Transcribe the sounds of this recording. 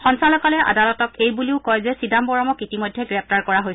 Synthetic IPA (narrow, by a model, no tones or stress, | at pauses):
xɔnsalɔkalɛʔa̰dalɔtɔkejbuliʊkɔjzɛsidambɔɹɔmɔkitimojdʱːɛɡɹɛp̚ʰtaɹkɔɹaɦojsɛ